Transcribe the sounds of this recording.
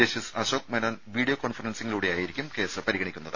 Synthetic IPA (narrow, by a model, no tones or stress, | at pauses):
eːɕisɐɕoːk̚menoːnʋiːɖijokoːɳfɐrɐnsiŋːɐluːɽejaːjiɾikʲːumke̞ːsɨpɐɾiɣɐɳikʲːunːɐðɨ